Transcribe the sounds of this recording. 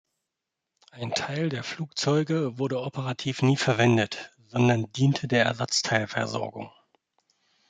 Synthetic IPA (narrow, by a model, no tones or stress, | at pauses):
ʔaɪntʰaɪldeːɐfluːk̚t͡sɔʏɡəvʊɐdəʔopʰəʁatʰiːfniːfɛɐvɛndət | z̥ɔndɐndiːntʰədeːɐɛ̰ɐzat͡stʰaɪlfɛɐzɔ̰ɐɡʊ̰ŋ